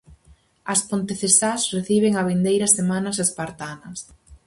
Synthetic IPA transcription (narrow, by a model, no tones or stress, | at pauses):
ɐspont̪eθesasreθiβeŋɐβind̪ejɾɐsemanɐsespaɾt̪anɐs